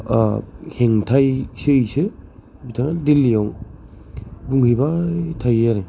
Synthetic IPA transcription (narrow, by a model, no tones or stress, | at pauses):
heŋtʰajsejse | bitʰaŋadilːijaw | buŋhibatʰajaɾe